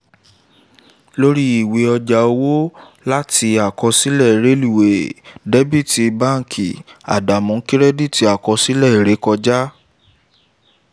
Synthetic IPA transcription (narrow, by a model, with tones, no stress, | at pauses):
lo˦ɾi˦i˦˨we˨ɔ˧d͡ʒa˨o˧wo˦ | la˦tʰi˧a˨kɔ˧si˦lɛ˦˨ɾe˨˦li˦˨we˨de˦bi˦˨ti˧ba˦˨ŋ̩˨kʰḭ˨a̰˨da˨mɔ̃˨˦ki˦ɾɛ˦di˦˨ti˧a˨kɔ˧si˦lɛ˦˨i˨ɾe˨˦kɔ˧d͡ʒa˦